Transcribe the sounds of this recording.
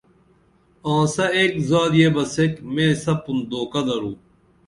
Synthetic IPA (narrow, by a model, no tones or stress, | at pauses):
ãːsɐeːkzaːd̪jeːbɐsekmẽːsɐpund̪oːkɐd̪ɐɾũː